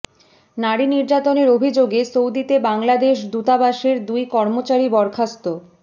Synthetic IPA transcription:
naɽiniɾd͡ʑat̪oneɾobʱid͡ʑoɡesowd̪it̪ebaŋlad̪eʃd̪ut̪abaʃeɾd̪ujkɔɾmot͡ɕaɾibɔɾkʰast̪o

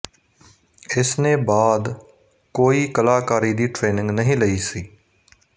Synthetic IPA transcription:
ɪsnẽːbaːd̪ | koːiːkəlaːkaːɾiːd̪iːʈɾeːnɪ̃ŋɡnəɦĩːləiːsiː

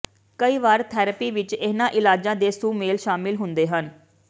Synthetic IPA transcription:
kəiːʋaːɾt̪ʰɛːɾəpiːʋɪt͡ʃeːnãːʔɪlaːd͡ʒãːd̪eːsuːmeːlʃaːmɪlɦʊnd̪eːɦən

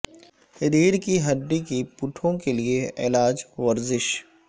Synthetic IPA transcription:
ɪd̪iːɽkiɦɐɖːikipʊʈʰõkelieɪlaːd͡ʒʋɐɾzɪʃ

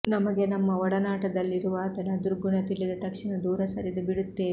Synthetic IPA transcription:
nɐmɐɡe̞nɐmːɐɔɽɐnaːʈɐd̪ɐlːiɾuʋɐːt̪ɐnɐd̪uɾɡunɐt̪iɭːid̪ɐt̪ɐkʂinɐd̪uːɾɐsɐɾid̪ubiɽut̪ːeː

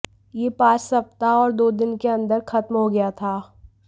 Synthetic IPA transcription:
jeːpãːt͡ʃsɐp̚t̪aɔːɾd̪oːd̪ɪnkeɐ̃nd̪əɾxɐt̪mɦoɡɐjat̪ʰaː

